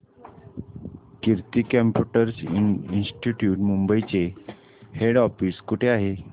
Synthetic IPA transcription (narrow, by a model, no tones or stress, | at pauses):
kiɾt̪iːkəmpjuʈəɾsiinsʈiʈjuːʈmumbəit͡se | heɽɔfiskuʈʰeaɦe